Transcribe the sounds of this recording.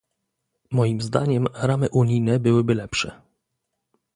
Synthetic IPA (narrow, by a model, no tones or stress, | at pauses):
mɔjimzd̪a̰ɲɛmɾamɘʔuɲijnɛbɘwɘbɘlɛpʂɛ̰